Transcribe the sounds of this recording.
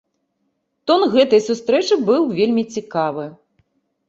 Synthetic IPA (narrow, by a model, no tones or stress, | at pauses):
t̪ɔnɣɛt̪ɐjsust̪ɾɛt͡ʂɨbɨwvʲelʲmʲit͡sʲikavɨ